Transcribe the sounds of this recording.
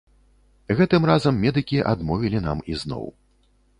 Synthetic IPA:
ɣɛt̪ɨmrazɐmːʲɛd̪ɨkʲiʔa̰d̪mɔvʲilʲina̰miznɔ̰w

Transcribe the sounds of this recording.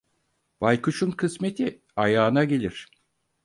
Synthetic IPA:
bajkuʃunkʰɯsme̞t̪ʰi | ajaːnaɟelʲiɾ̥

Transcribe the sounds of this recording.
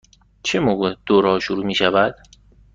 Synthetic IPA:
t͡ʃʰemoɣed̪̥oɾɒːʃoɾuːmiːʃævæd̪̥

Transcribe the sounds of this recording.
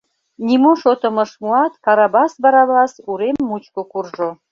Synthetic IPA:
nʲimuʃot̪ə̆mə̆ʃmuɑt̪kɑɾɑbɑsbɑɾɑβlɑsuɾemːut͡ɕkokurʒo

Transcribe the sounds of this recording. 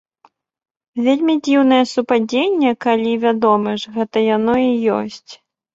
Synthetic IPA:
vʲelʲmʲid͡zʲiwnɐjɛsupad͡zʲenʲːɐkalʲivʲad̪ɔmɨʐɣɛt̪ɐjanɔijɔ̰sʲt͡sʲ

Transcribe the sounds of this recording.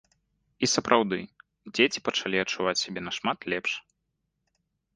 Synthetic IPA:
isɐpɾʔawd̪ɨ | d͡zʲet͡sʲi̥pɐt͡ʂalʲiɐt͡ʂːuvat͡sʲsʲabʲɛnɐʂmat̪lʲɛpʂ

